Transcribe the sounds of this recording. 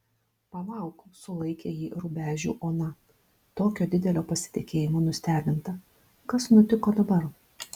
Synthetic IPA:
pɐlˠɐˑʊkosʊlˠɐɪkʲeːjiːɾʊbʲæːʒʲṵːʔoːnɐ | t̪oːkʲoːd̪ʲɪd̪ʲɛlʲoːpɐsʲɪ̥t̪ʲɪkʲeːjɪmoːnʊsʲt̪ʲæːbʲɪnt̪ɐ | kɐsnʊt̪ʲɪkoːd̪ɐbɐɾ

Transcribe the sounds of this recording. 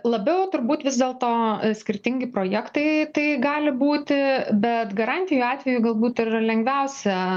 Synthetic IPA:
lˠɐbʲɛʊt̪ʊɾbuːt̪ʋʲɪzd̪eːlˠt̪oːsʲkʲɪɾʲt̪ʲɪŋʲɡʲɪpɾoːjɛkt̪ɐɪt̪ɐɪɡɑːlʲɪbuːt̪ʲɪbʲɛt̪ɡɐɾɑnʲt̪ʲɪjuːɑːt̪ʲʋʲɛjuɡɐlˠbuːt̪ɪrlʲɛŋɡʋʲɛʊsʲɛ

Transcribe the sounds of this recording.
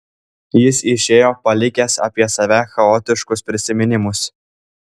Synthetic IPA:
jɪsɪʃʲeːjoːpɐlʲɪkʲɛsɐ̰pʲiɛsɐʋʲæxɐoːt̪ʲɪʃkʊspʲɾʲɪsʲɪmʲɪnʲɪmʊs

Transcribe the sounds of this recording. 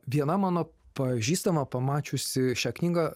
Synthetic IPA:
ʋʲiɛnɐmɑːnoːpɐʒʲiːst̪ɐmɐpɐmɑːt͡ʃʲʊsʲɪʃʲæːknʲiːɡɐ

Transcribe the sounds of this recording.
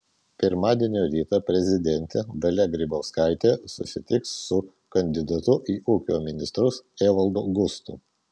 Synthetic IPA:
pʲɪɾmɑːd̪ʲiɛnʲoːɾʲiːt̪ɑpʲɾʲɛzʲɪd̪ʲɛnʲt̪ʲed̪ɐlʲɛɡɾʲɪboːskɑˑɪt̪ʲeːsʊ̰sʲɪt̪ʲɪksːʊ | kɐnʲd̪ʲɪd̪ɐt̪ʊʔiːʔuːkʲoːmʲɪnʲɪst̪ɾʊseːʋɐlˠd̪oːɡʊst̪ʊ̰

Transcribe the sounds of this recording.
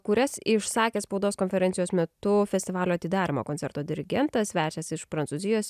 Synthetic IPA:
kʊɾʲɛsɪʃsɑːkʲeːspɒʊd̪oːskoːnʲfʲɛɾʲɛnʲɪjoːsmʲɛt̪ʊfʲɛsʲt̪ʲɪʋɑːlʲoːɐt̪ʲɪd̪ɑːɾʲɪmo̰ːkoːnʲsʲɛɾt̪oːd̪ʲɪɾʲɪɡʲɛnt̪ɐsʲʋʲæːt͡ʃʲɛsɪʃpɾɐnsuːzʲɪjoːs

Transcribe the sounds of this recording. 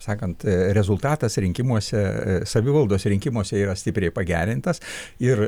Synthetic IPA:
sɑːkɐnt̪ɾʲɛzʊlˠt̪ɑːt̪ɐsɾʲɪŋʲkʲɪmuɔsʲɛsɐʋʲɪʋɐlˠd̪oːsʲɾʲɪŋʲkʲɪmuɔsʲɛiːɾɐsʲtʲɪpʲɾʲɛɪpɐɡʲæ̰ːɾʲɪnt̪ɐsɪr

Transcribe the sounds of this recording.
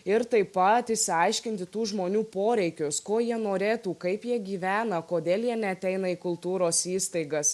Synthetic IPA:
ɪɾt̪ɐɪpɐt̪ɪʃʲsʲɪɐɪʃʲkʲɪnʲt̪ʲɪt̪uːʒmoːnʲuːpoːɾʲɛɪkʲʊskoːjiɛnoːɾʲeːt̪uːkɐɪpjiɛɡʲiːʋʲæːnɐkoːd̪ʲeːlˠjiɛnʲɛɐt̪ʲɛɪnɐiːkʊlˠt̪uːɾoːsiːst̪ɐɪɡɐs

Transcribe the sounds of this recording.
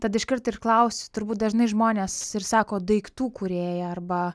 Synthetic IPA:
t̪ɐd̪ɪʃʲkʲɪɾt̪ɐɪrklˠɐʊsʲʊt̪ʊɾbuːt̪̚d̪ɐʒnɐɪʒmoːnʲeːsɪrsɑːkoːd̪ʊɛɪkt̪uːkʊɾʲeːjɛɐrbɐ

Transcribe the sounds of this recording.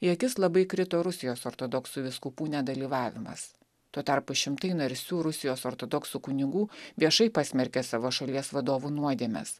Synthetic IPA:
ɪɐkʲɪslˠɐbɐɪkɾʲɪt̪oːɾʊsʲɪjoːsoːɾt̪od̪ɔksuʋʲɪskʊpuːnʲɛd̪ɐlʲiːʋɑːʋʲɪmɐ̰s | t̪uɔt̪ɐɾpʊʃʲɪmt̪ɐɪnɐɾʲsʲuːɾʊsʲɪjoːsoːɾt̪od̪ɔksuːkʊnʲɪɡuːʋʲiɛʃɐɪpɑːsʲmʲɛɾʲkʲesɑːʋoːʃɐlʲiɛsʋɐd̪oːʋunuɔd̪ʲiɛmʲɛ̰s

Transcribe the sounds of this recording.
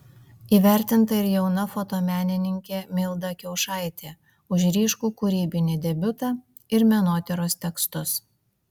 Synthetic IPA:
iːʋʲæˑɾʲt̪ʲɪnt̪ɐɪɾjɛʊnɐfot̪oːmʲæːnʲɪnʲɪŋʲkʲeːmʲɪlˠd̪ɐkʲɛʊʃɑˑɪt̪ʲeː | ʊʃ̬ɾʲiːʃkuːkʊɾʲiːbʲɪnʲɪd̪ʲɛbʲʊt̪ɑ | ɪɾmʲɛnoːt̪ʲɪɾoːst̪ʲɛkst̪ʊs

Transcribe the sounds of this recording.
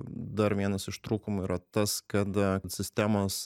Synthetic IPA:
d̪ɐɾʋʲiɛnɐsɪʃt̪ɾuːkʊmʊiːɾɐt̪ɐskɐt̪t̪sʲɪsʲt̪ʲæmos

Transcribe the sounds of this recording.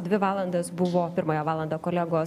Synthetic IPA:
d̪ʲʋʲɪʋɑːlˠɐnd̪ɐsbʊʋoːpʲɪɾmɐjɛʋɑːlˠɐnd̪ɐːkoːlʲæːɡoːs

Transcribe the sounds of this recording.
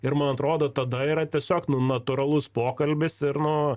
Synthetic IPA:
ɪɾmɐnɐt̪ɾoːd̪oːt̪ɐd̪ɐiːɾɐt̪ʲiɛsʲoːknʊnɐt̪ʊɾɐlˠʊspoːkɐlʲbʲɪsɪɾnʊ

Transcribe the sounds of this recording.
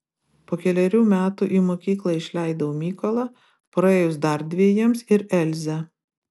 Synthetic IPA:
poːkʲɛlʲɛɾʲuːmʲæːt̪uːˑʔiːmoːkʲiːklˠɐɪʃʲlʲæˑɪd̪ɐʋomʲiːkɔlˠɑ | pɾɐeːjʊsd̪ɐɾʲd̪ʲʋʲiɛjiɛmsɪɾɛlʲzʲɛ

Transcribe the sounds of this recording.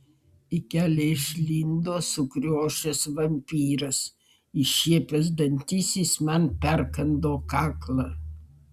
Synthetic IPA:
ɪkʲæːlʲɛɪʃʲlʲind̪oːsʊkɾʲoːʃʲɛsʋɐmʲpʲiːɾɐs | iʃʲiɛpʲɛzd̪ɐnʲt̪ʲisʲiːsmɐnpʲɛɾkɐnd̪oːkɑːklˠɑ

